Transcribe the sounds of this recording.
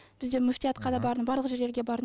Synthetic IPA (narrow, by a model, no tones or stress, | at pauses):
b̥ɪzd̪e̞mʏft̪ijɑt̪qʰɑd̪ɑbɑɾd̪əbɑɾlˠəqʒeɾʲeɾɡʲe̞bɑɾ